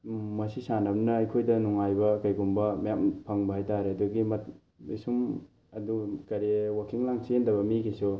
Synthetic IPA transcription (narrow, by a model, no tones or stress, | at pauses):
mɐsisanamnɐɐjkʰojdɐnuŋajbɐkajɡumbɐmajampʰaŋbɐhajtaɾeɐduɡimɐt̚ | isum | ɐdukɐɾewakʰiŋlaŋsiendɐβɐmikisu